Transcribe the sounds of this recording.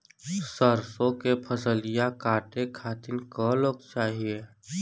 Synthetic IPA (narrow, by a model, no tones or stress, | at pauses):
səɾsõkepʰəsəlɪjakaːʈekʰaːt̪ɪnkəloːɡ̚t͡ʃaːɦie